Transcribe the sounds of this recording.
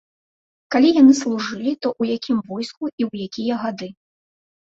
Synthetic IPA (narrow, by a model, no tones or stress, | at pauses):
kalʲijanɨslˠuʐɨlʲit̪ɔʔujakʲʰimvɔjskuʔiwjakʲijɐɣad̪ɨ